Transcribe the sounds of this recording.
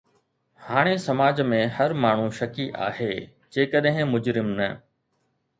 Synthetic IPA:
haːɽ̃esɐmaːd͡ʑmẽhɐɾmaːɳ̤ũʃɐkiʔa̰ːɦeː | d͡ʑeːkəɗɦɪ̃mʊd͡ʑɾɪmnɐ

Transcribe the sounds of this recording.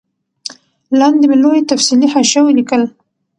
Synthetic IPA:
lɑnd̪emelojet̪afsilihaʃawəlikəl

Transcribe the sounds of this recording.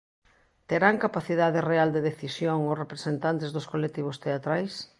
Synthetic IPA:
t̪eɾaŋkapaθiðaðereald̪eðeθisjoŋosrepɾesent̪ant̪ɪzðʊskolek̚t̪iβ̞ʊst̪eat̪ɾajs

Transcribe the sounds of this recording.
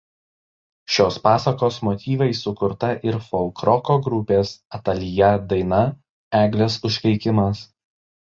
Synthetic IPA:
ʃʲoːspɑːsɐkoːsmɔt̪ʲiːʋɐɪsʊkʊɾt̪ɐʔɪɾfɔlˠkɾɔkoːɡɾʊpʲeːsɐt̪ɐlʲɪjɛd̪ɐɪnɐ | æːɡlʲesʊʃʲɾʲɛɪkʲɪmɐs

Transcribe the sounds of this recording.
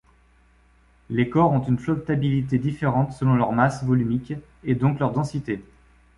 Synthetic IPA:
lekɔʁɔ̃t̪ynflɔp̚t̪abilit̪ed̪ifeʁɑ̃t̪səlɔ̃lœʁmasvɔlymik | ed̪ɔ̃klœʁd̪ɑ̃sit̪e

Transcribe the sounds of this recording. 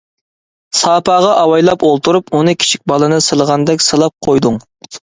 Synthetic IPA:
sɑːpʰɑːʁɑʔɑwɑjlˠɑpolˠt̪ʰuɾupunɨkʲʰi̥t͡ʃʰi̥k̚ʲbɑlˠɨnɨsɨlˠəʁɑnd̪ɛkʲsɨlˠɑp̚qʰojd̪uŋ

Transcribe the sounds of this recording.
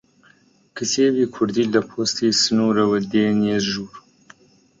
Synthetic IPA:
kʰəseːbiːkʰʊɾd̪ild̪əpʰoːst̪ʰiːsɨnuːɾɐwɐd̪eːneːzʒuːɾ

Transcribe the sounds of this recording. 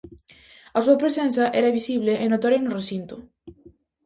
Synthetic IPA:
asuapɾesensaʔeɾaβisiβ̞leʔenot̪oɾenuresint̪u

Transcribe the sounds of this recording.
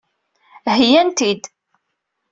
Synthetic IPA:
ɦjænt̪id̪

